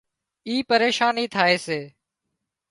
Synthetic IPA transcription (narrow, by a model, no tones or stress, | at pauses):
iːpəɾeːʃaːniːt̪ʰaːeːseː